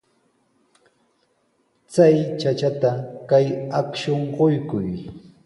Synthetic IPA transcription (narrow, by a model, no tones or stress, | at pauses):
t͡sajt͡ʃat͡ʃat̪akajakʃoɴɢojkʊj